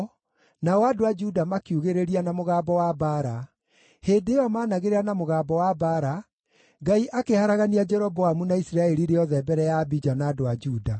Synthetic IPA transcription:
naɔadoad͡ʒudamakiuɣeɾeɾianamoɣaːbɔwabaɾa | heːdejɔmaːnaɣeɾeɾanamoɣaːbɔwabaɾa | ɡaiʔakehaɾaɣaniad͡ʒɛɾɔbɔamunaisiɾaɛɾiɾejɔðɛbɛɾɛjabid͡ʒanaːdoad͡ʒuːda

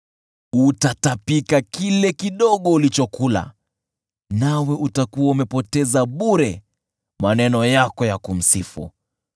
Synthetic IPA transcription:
utatapikakilɛkiɗɔɠɔulit͡ʃɔkula̰ | nawɛʔutakuwaumɛpɔtɛzaɓuɾɛ | manɛnɔjakɔjakum̩sifṵ

